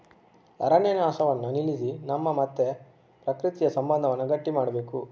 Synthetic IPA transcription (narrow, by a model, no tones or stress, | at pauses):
ɐ̰ɾɐnenaːsɐʋɐnːunilisinɐmːɐmɐt̪ːe | pɾɐkɾit̪ijɐsɐmbɐnd̪ʱɐʋɐnːɐɡɐʈːimaːɽɐbe̞ːku